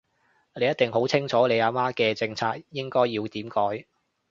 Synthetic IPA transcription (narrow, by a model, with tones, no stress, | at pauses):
nle˨˧jɐ˥t̚t̪ɪ˨ŋɦo˨˥wt͡sʰɪ˥ŋt͡ʃʰɔː˨˥le˨˧jaː˨˧maː˥kɛː˧t͡sɪ˧ŋt͡sʰaː˧k̚jɪ˥ŋkɔː˥jːiː˧wt̪iː˨˥mkɔː˨˥j